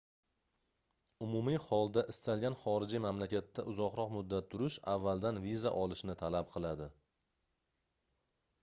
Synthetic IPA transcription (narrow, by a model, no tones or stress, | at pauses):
ʊmʊmihɒlˠd̪aʔɪst̪ʰalɡʲanχɒɾɪd͡ʒimamlakʲat̪ʰːaʔʊzɒqɾɒqmʊd̪ːat̪ʰːʊɾɪʃavːalˠd̪anviza̰ʔɒlˠɪʃnɪt̪ʰalap̚qʰɨlˠad̪ɪ